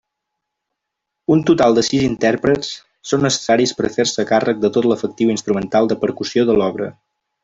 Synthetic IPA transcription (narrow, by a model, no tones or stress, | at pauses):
unt̪ut̪alˠd̪əsizint̪ɛɾpɾəsː | onːəsə̥saɾispə̰ɾfeɾsəːkarək̚d̪ət̪ot̪ləfək̚t̪iwinst̪ɾumənt̪alˠd̪əpəɾkusioðəlɔβɾə̰